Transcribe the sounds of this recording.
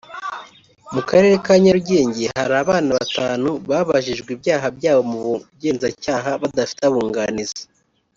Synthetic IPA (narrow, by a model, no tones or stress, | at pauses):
mukaɾe̞ːɾe̞kaːɲaɾuɟe̞ːɲɟeɦaɾaːβaːnaβataːnuβaːβaʒiʒɡwiːbjaːɦabjaːβo̞muβɟe̞ːnzacaːɦaβadafi̥taβuːŋɡanizḁ